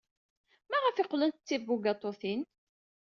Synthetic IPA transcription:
mæʁəfɪqlənt̪ət͡sːivːuɡɑt̪ˤoθin

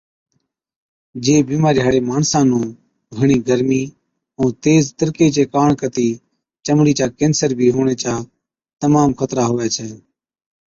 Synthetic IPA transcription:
d͡ʒeːbiːmaːɾɪɦaːɽeːmaːɳsãːnũː | ɡʱəɳiːɡəɾmiː | ũːt̪eːzt̪əɾkeːt͡ʃeːkaːɳkət̪iː | t͡ʃəmɽiːt͡ʃaːkẽːnsəɾbʱiːɦoːɳeːt͡ʃaː | t̪əmaːmxʰət̪ɾaːɦoːɛːt͡ʃʰɛː

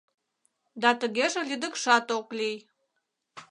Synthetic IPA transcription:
d̪ɑt̪əɣeʒĕlʲid̪əkʃɑt̪oklij

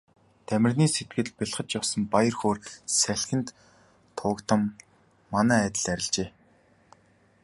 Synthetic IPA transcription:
t̪ʰæmʲɪ̆rniːset̪̚ɡɘ̆ɮpʲiɮχə̆t͡ɕjawsə̆mpajə̆rxoːrsæɬʲxʲɘ̆nt̪ʰː | ʊːkt̪ə̆mː | anæːæːt̪ə̆ɮæɾʲɪ̆ɮt͡ɕeː

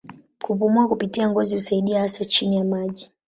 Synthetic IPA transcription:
kupumuakupitiaŋɡɔzihusaiɗiahasat͡ʃinijamaʄi

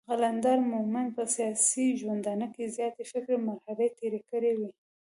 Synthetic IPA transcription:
ɣaland̪ɑɾmʊmanpəsijɑsiʒwand̪ɑnəkezjɑt̪eʃɪkɾemaɾhalet̪eɾekəɾewi

